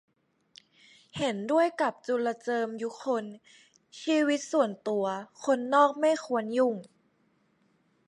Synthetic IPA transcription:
he˨˩˦ndu˥˩əjka˨˩p̚t͡ɕu˧la˧t͡ɕɤː˧mjuː˧˦xʰo˧n | siː˧wi˦˥t̪̚su˨˩ənt̪u˧ɐkʰo˧nːɔː˥˩k̚ma˥˩jxʰu˧˩ə˦nju˨˩ŋ

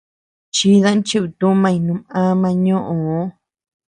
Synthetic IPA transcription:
t͡ʃi˧˦ðã˦nt͡ʃi˦˧˨βi˧t̪ũ˦mã˦˧ĩ˧˨nũ˧˦ã˦mã˧ɲõ˦ʔõ˨˦

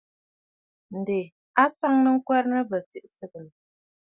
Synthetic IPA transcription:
n̩˨de˨ | a˦sa˦ŋnə˦ŋ̩˦kwɛ˦ɾnə˦bə˨ti˦˨ʔsə˦ɡə˨l

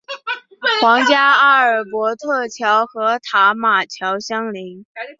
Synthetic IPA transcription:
xwɑ˧˥ŋt͡ɕja˥a˥ə˞˨˩pwɔ˧˥t̪ʰɤ˥˩t͡ɕʰjɑ˧˥ʊxɤ˧˥t̪ʰa˧˥ma˨˩t͡ɕʰjɑ˧˥ʊɕjɑ˥ŋli˧˥ŋ

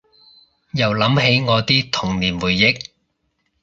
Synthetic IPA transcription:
jɐ˨˩wlɐ˨˥mɦe˨˥jŋɔː˨˧t̪iː˥t̪ʰʊ˨˩ŋliː˨˩nwuː˨˩jːɪ˨˥k̚

